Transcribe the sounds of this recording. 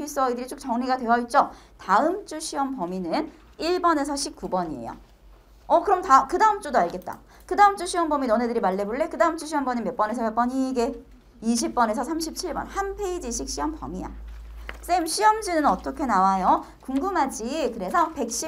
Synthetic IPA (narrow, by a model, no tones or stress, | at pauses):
piɭs͈ʌidɯɾit͡ɕʰok̚t͡ɕʌŋɲiɡadwe̞ʌɭt͡ɕ͈ʌ | taɯmt͡ɕ͈uɕʰiʌmpʌminɯn | iɭbʌne̞sʰʌɕʰip̚k͈ubʌɲiḛjo̰ | ʌkɯɾʌmtakɯdaɯmt͡ɕ͈udoaɭɡe̞t̚t͈a̰ | kɯdaɯmt͡ɕ͈uɕʰiʌmbʌminʌne̞dɯɾimaɭːe̞boɭːe̞kɯdaɯmt͡ɕ͈uɕʰiʌmbʌɲimjʌp͈ʌne̞s̬ʰʌjep͈ʌɲiɡe | iɕʰip̚p͈ʌne̞sʰʌsʰamɕʰip̚t͡ɕʰiɭbʌ̰nhanpʰe̞id͡ʑiɕʰik̚ɕ͈iʌmpʌ̰mija̰s͈eimɕʰiʌmd͡ʑinɯnʌt͈ʌkʰe̞nawajo | kuŋɡɯmɦad͡ʑikɯɾe̞sʰʌpe̞k̚ɕ͈i